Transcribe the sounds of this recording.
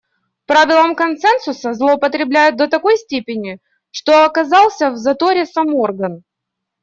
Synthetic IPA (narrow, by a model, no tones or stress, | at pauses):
pɾavʲɪlˠəmkɐnsɛnsʊsəzlˠəʊpət̪ɾʲɪblʲæjʊt̪̚d̪ət̪ɐko̞jsʲtʲepʲɪnʲɪ | ʂt̪o̞ɐkɐzɑlˠsʲəvzɐt̪o̞ɾʲɪsɐmo̞rɡən